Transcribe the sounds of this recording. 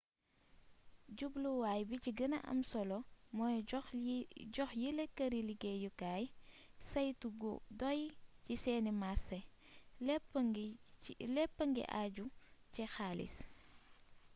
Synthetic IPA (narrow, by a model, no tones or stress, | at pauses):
ɟubluwaːjbiciɡənɐ̰ʔɐ̰msɔlɔmɔj | ɟɔxjilekɐɾiliɡɛjukaːj | sɐjtuɡṵdɔjcisɛːnimasɛ | p | lɛpːəŋɡɛ̰ʔaɟucɛxaːlḭs